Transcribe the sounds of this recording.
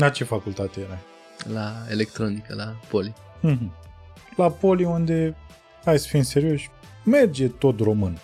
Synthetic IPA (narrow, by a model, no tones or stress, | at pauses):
lat͡ʃe̞fakult̪at̪ejeɾa | laelekt̪ɾonikəlapoli | ɦ̩ | lapo̞liund̪e̞ | ajsə̥finse̞ɾio̞ʃʲ | me̞rd͡ʒe̞t̪o̞t̪ro̞mɨn